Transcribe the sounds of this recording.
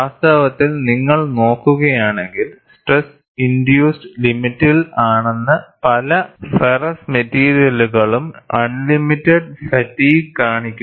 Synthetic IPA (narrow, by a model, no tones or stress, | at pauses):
aːst̪aːʋɐt̪ːilniŋːɐɭno̞ːkːuɣɐjaːɳe̞ŋɡilsʈres | ind̪juːsɖɨlimitːilaːɳenːɨpɐlɐferɐsmetːiːɾijɐluɣɐɭumɐnlimitːɐɖsɐʈːiːɡkaːɳikʲːu